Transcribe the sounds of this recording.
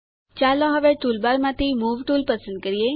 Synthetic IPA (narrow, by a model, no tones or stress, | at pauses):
t͡ʃaloɦəʋeʈulbaɾmãt̪ʰimuʋʈulpəsənd̪̚kəɾije